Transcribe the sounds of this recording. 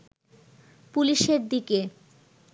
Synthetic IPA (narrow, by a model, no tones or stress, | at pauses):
puliʃeɾd̪ike